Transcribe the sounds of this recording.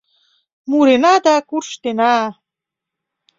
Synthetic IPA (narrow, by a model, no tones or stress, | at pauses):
muɾenɑd̪akurʃt̪enɑ